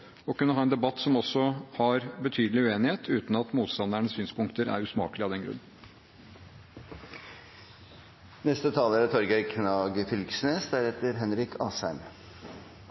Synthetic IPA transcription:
ɔkʉnəhɑːɛnd̪ɛbɑt̪ːsɔmɔsɔhɑɾbət̪ʰyːd̪l̩ɪʉeːnɪheːt̪ʰʉːt̪n̩ɑt̪muːt̪st̪ɑnd̪æɳəsyːnspʊŋkt̪əɾæ̰ɾʉːsmɑ̰ːklɪɑd̪ɛnɡɾʉ̰nː | nɛst̪ət̪ʰɑːləɾt̪ʰɔɾɡæɪkʰnɑːɡəfʏlksneːsd̪æɾhɛt̪əɾɦɛnɾɪkʰɑːsæɪm

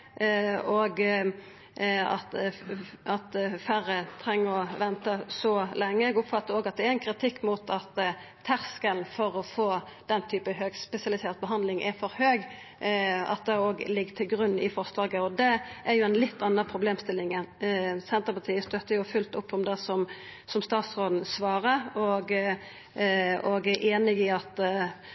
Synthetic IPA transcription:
oːɡ | ɑ̰t̪ | ɑt̪fæɾət̪ʰɾɛŋːəɾɔʋɛnt̪əsɔlɛŋːəɛɡʊpfɑt̪ːəɾoːɡɑt̪̚d̪ɛæɾɛnkʰʁɪt̪ʰɪkːmʊt̪ʰɑt̪ʰː | æʁskəlnfɔɾɔfoː | d̪̥ɛnːt̪ʰyːpəhøːɡspɛsɪɑlɪseːʁt̪̚bəɦɑnd̪lɪŋʔɛ̰ɾfɔɾhøːɡ | ɑ̰t̪̚d̪ɛoːɡlɪɡːt̪ʰɪlɡɾʉnːɪfɔɾslɑːɡəɔd̪ɛʔæɾjʊɛnlɪt̪ːɑnːəʁpʰɾʊbleːmst̪ɪlːɪŋənsɛnt̪əɾpɑt̪ʰiːəst̪œt̪ːəjʊfʉlt̪ʊpːɔmd̪ɛsɔm | sɔmst̪ɑːt̪sʁoːd̪n̩sʋɑːɾəɔɡ | ɔɡæɾʔeːnɪɡɪɑt̪

